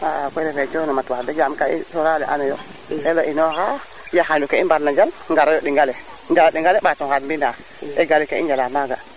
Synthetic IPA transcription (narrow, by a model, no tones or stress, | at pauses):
akʷoɾefet͡ʃonamatwadad͡ʒamkaḭsoɾalɛʔanajo | elaʔinoha | jaxandukeibaɾnad͡ʒal | ŋɡaɾajoɗiŋɡale | d͡ʒalaɗiŋɡaleɓatokatmbina | eɡalikeind͡ʒalamaɡa